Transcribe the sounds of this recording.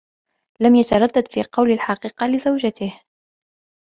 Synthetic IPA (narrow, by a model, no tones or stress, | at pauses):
lamjat̪ɑɾˤɑd̪ːad̪fiːqɑwlalħɑqiːqɑlɪzawd͡ʒat̪ɪh